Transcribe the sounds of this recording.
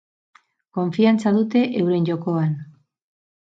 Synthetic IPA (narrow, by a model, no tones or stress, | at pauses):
ko̞ɱfiant͡saðut̪e̞ʔewɾe̞nʎo̞koan